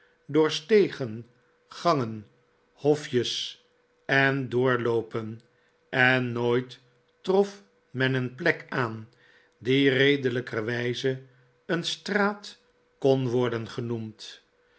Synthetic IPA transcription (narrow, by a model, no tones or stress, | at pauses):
dʊːɹstejχən | χɑŋən | hɔfjəs | ɛndʊːɹlowpən | ʔɛnːojt | trɔf | mɛnənplɛkaːn | direjdələkəʋɛjzə | ənstraːt | kɔnʋɔɹdənχənumt